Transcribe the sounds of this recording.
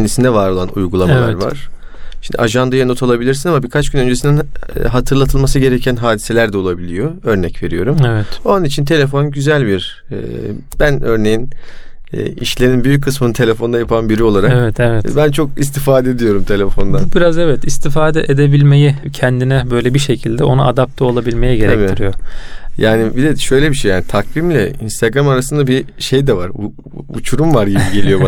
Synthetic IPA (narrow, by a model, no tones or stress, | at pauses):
nd̪isind̪ɛvaɾo̞lˠanṵjɡulˠamalvˠaɾva̰ɾ̥ | ʃind̪ḭʔaʒand̪ajano̞t̪ʰalˠabilʲiɾsinamabiɾkʰat͡ʃɟynø̞nd͡ʒe̞sind̪inɦat̪ʰɯɾlˠat̪ʰɯlˠmasɯɟe̞ɾecʰænɦaːd̪ise̞lʲæɾd̪ɛo̞lˠabilʲijo̞ø̞ɾnɛcve̞ɾijo̞ɾumevɛt̪o̞nunit͡ʃʰint̪ʰe̞lʲe̞fo̞nɟyzælʲbiɾ̥̰ | bænø̞ɾne̞jin̰ː | ḭʃlʲeɾinbyjyc̚kʰːɯsmɯnɯt̪ʰe̞lʲefo̞nd̪ajapʰanbiɾio̞lˠaɾakevɛt̪ʰevɛtbænt͡ʃʰo̞k̚ist̪ʰifaːd̪ɛd̪ijo̞ɾumt̪ʰe̞lʲefo̞nd̪anb̥iɾazevɛt̪ist̪ʰifaːd̪ɛʔed̪ebilʲme̞jicʰɛnd̪inɛbø̞jlʲɛbiʃe̞cʰilʲd̪ɛʔo̞naad̪ap̚t̪ʰɛo̞lˠabilʲme̞jiɟe̞ɾɛ̰t̪iɾijo̞jaːnibid̪eʃø̞jlʲebiʃejaːnit̪ʰakvimlʲɛinst̪ʰaɡɾamaɾasɯnd̪abiʃe̞jd̪ɛvaɾ | ṵt͡ʃʰuɾumvaɾɟibiɟelʲijo̞